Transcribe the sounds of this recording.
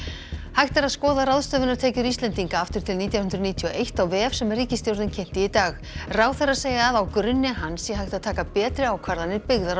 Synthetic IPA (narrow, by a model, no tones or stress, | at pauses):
hajht̪aɾaðskɔːðaɾaðst̪œːvɪnaɾt̪ʰɛːcʏɾist̪lɛnt̪iŋkaaft̪ʏɾ̥t̪ʰɪlniːt̪jawhʏnd̪ɾʏniːt̪ʰiɔʔejht̪awvɛːɛfsɛmɛriːcɪst̪jowɾðɪncʰɛm̥t̪ɪit̪aːx | raːwθɛɾað̥seːjaːðawkɾʏnːɪɦansjɛɦajht̪aðt̪ʰaːkapɛːt̪ɾɪaːwkʰvaɾðanɪpɪɣðaɾ